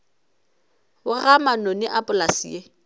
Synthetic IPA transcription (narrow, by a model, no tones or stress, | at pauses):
ʊɣamanɔnɪʔapʼʊlasḭe